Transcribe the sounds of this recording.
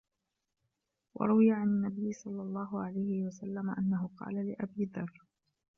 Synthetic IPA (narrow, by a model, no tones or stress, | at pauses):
wɑ̰ɾˤʊwɪjaʕanɪnːabɪjːsˤɑlːɑlˤːɑːɦʊʕalajhɪwasalːamaʔanːaɦʊqɑ̰ːlalɪʔabiːd̪ɑrˤː